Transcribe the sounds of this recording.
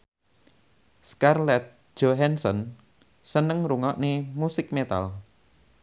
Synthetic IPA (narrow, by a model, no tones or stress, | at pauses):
skarlɛt̪̚ʒ̥ɔɦɛnsɔn | sənəŋɾuŋɔʔnemusɪk̚met̪a̰l